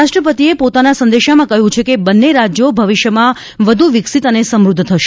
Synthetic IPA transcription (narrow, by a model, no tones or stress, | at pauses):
aʃʈɾəpət̪iepot̪anasə̃nd̪eʃamãkəɦjũt͡ʃʰekebənːeɾad͡ʒjobʱəʋiʃjəmã | ʋəd̪ʱuʋɪksit̪ənesəmɾud̪ʱːt̪ʰəʃ